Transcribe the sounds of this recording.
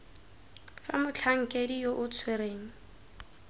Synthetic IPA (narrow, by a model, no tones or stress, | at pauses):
fa̰mʊt͡ɬʰaŋ̩kʼedijoʔʊt͡sʰweɾeːŋ̩